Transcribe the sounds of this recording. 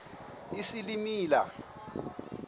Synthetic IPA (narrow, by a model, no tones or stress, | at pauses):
isilimiːla̰